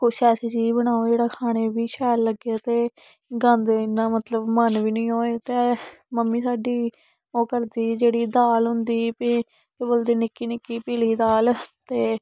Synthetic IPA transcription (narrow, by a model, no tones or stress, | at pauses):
kʊʃɛːsiːt͡ʃiːd͡ʒbəɽ̃aːod͡ʒeːɽaːkʰaːɽ̃eːbiːʃɛːlːəɡaːt̪eː | ɡə̃nd̪ɪnːãːmət̪ləbmənʋiːnĩːɦoːeːt̪eːməmːiːsaːɖiː | oːkəɾd̪iːd͡ʒeːɽiːd̪aːlɦʊ̃nd̪iːpː | kɪbəld̪iːnɪkiːnɪkːiːpiːliːd̪aːlt̪eː